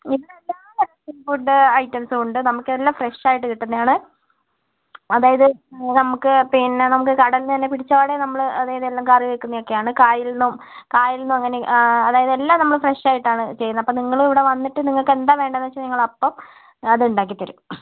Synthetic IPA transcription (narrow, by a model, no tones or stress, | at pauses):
iðɐlelːaːʋk̪ɐlːɐsimpuɖːɨɐjtːɐmsɨuɳɖɨnɐmukːɨelːaːmfreʂaːjiʈːɨkiʈːunːɐðjaːɳɨ | ɐðaːjɐðɨnɐmukːɨpinːenɐmuk̬ːɨkɐɽɐlnɨt̪ɐnːe̞piɽit͡ɕːaːɽenɐmːɐɭɐðaːjɐðelːaːmkaːrɣeɭkːunːɐjo̞kːejaːɳɨkaːjilnːumkaːjilnːumɐŋːɐneɐðaːjɐðelːaːmnɐmːɐɭfreʂaːjiʈːaːɳɨt͡ɕe̞jːunːɐpːoːniŋːɐɭiʋiɽe̞ʋɐnːiʈːɨniŋːokːe̞nd̪aːʋe̞ːɳɖenɐɐt͡ɕːɐniŋːɐɭɐpːɐm | ɐðɨuɳɖaːk̬ːit̪ːɐɾṵm